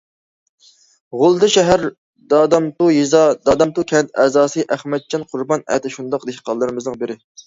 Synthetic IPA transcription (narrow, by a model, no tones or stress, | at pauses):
ʁʊlˠd̪ɨʃɛɦæɾ | d̪ɑd̪ɑmt̪ujizɑd̪ɑːd̪ɑmt̪ukʲʰɛnt̪ʰɛzɑːsɨʔæχmɛt̪̚d͡ʒʰɑnqʰʊɾbɑnɛ̰t̪ɪʃund̪ɑqd̪eʃqɑlˠːɨɾɪmɨznɨŋbɪɾɪ